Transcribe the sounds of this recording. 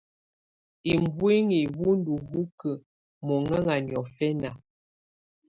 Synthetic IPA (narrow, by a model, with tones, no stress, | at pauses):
i˨m˦bwi˦ŋi˨bu˦n˦du˨ɣu˦kə˨ | mɔ˨ŋa˦ŋa˨n˨ɔ˨fɛ˦na˨